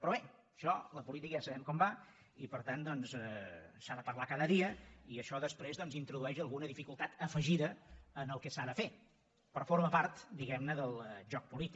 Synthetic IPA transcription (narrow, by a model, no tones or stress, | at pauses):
pɾɔβe | əʃɔləpulit̪ikəʒasəβɛmkɔmba | ipəɾt̪and̪ɔnsɛsaðəpəɾlakaðəðiəiəʃɔðəspɾezðɔnzint̪ɾuðuɛʃəlˠɣunəðifikulˠt̪at̪əfəʒiðəənəlˠkəsaðəfe | pɾɔfoɾməpaɾt̪d̪iɣɛmnəðəlˠʒɔk̚pulit̪ik